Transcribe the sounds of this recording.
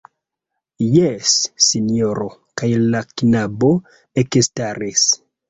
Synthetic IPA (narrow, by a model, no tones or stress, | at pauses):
jesːinoɾokajlaknabo | ekestaɾis